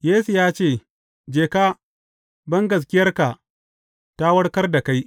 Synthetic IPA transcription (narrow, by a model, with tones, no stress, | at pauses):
jeː˦su˨jaː˦t͡ʃeː˦˨ | d͡ʒeː˨kaː˦ | bɐ˦ŋɡɐ˨s̬kʲɪ˦jɐ˦rka˨ʔ | ta˦wɐ˦ɽkɐ˦rda˨ka˦j